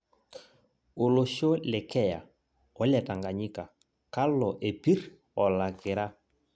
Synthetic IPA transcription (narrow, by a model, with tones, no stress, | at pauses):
o˨lo˨ʃo˦lɪ˨kɛ˦ja̰˨ | ɔ˨˦la˨ta˨ŋɡa˨ɲɪ˦ka˨ | ka˦lɔ˨ʔe˨pi˦ɾ | ɔ˨la˨ɡɪ˨ɾa˦